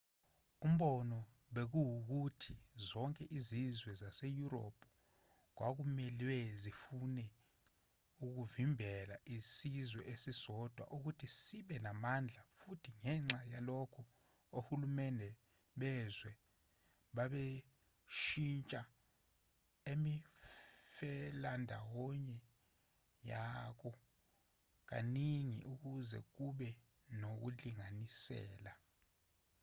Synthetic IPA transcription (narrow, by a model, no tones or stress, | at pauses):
um̩ɓɔnɔ | ɓek̬uwuk̬utʰizɔŋkʼɛʔizizwɛzasejuɾo̰pʰʼu | k̬wak̬umɛlwɛzifunɛ | uk̬uvimbʱɛlaʔisizwɛʔesisɔd̥ʱwa̰ʔuk̬utʰisiɓɛnamand͡ɮʱafutʰiŋɛŋ͡ǁajalɔkʰɔ | ohulumɛndʱɛ | ɓɛzwɛ | ɓaɓe | ʃint͡ʃʼa | emi | fɛlandʱa̰wɔɲɛ | jak̬ɔ | k̬a̰niŋḭʔuk̬uzɛ̰k̬uɓɛ | nok̬uliŋanisɛ̰ːla